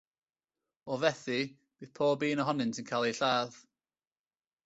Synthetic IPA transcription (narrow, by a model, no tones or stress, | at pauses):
ɔvɛθi | b̥iːð̥pʰɔːbiːnəɦɔnɪnsʰɪnkʰalˠiɬaːð